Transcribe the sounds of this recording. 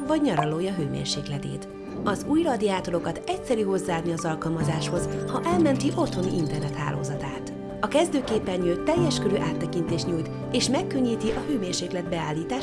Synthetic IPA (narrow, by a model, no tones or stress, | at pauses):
vɒɟɲɒɾɒloːjɒɦøːmḛːrʃeːklɛt̪ḛːt̪ | ɒzuːjrɒd̪iaːt̪o̞ɾo̞kɒt̪ɛcsɛɾyːɦo̞zːaːd̪niɒzɒlkɒlmɒzaːʃho̞zhɒʔɛlmɛnt̪iʔo̞t̪ho̞niʔint̪ɛrnɛt̪ha̰ːlo̰ːzɒt̪a̰ːt̪ | ɒkɛzd̪øːkeːpːɛnjøːt̪ːɛjːɛʃkøɾøːʔaːt̪ːɛkint̪eːʃt̪ɲuːjt̪ | eːʃmɛkːø̞ɲːiːt̪iʔɒhøːmeːrʃeːklɛd̪̚bɛaːlːiːt̪aː